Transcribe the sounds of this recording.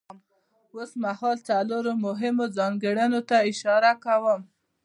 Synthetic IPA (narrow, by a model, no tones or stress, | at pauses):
m | osmahɑlt͡saloɾomʊɦɪmozɑŋɡəɽənot̪aɪʃɑɾakawəm